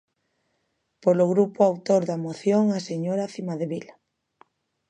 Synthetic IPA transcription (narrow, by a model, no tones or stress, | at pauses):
poloɣɾupoawt̪oɾðamoθjoŋaseɲoɾaθimaðeβila